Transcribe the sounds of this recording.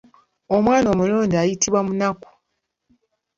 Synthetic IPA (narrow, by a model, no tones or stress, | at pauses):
o̞mwaːno̞ːmuloːndiajitiβwamunaku̥